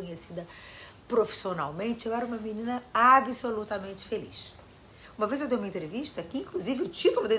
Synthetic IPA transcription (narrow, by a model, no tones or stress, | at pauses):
kõɲesid̪ɐ | pɾofi̥siona̰wmẽnt͡ʃɪewɛɾɐũmɐminĩnɐabisolut̪ɐmẽnt͡ʃɪ̥felḭʃ | ũmɐvezewd̪ejumɐẽnt̪ɾeviʃt̪ɐkɪĩŋkluzivɪʊt͡ʃit̪ulʊd̪ẽ